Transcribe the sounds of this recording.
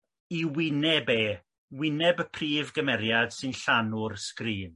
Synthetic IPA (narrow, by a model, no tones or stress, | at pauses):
iwɪnɛbeː | wɪnɛbəpʰriːvɡəmɛɾjad̥sɨnɬanʊrskriːn